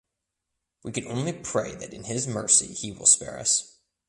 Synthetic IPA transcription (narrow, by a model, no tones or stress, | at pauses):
wikɨ̃nʔõʊ̃nlipʰɹ̥eɪðɨɾɨ̰̃nɪzmɜ˞sḭiwɪ̰lˠspɛ̰ɹʌ̰s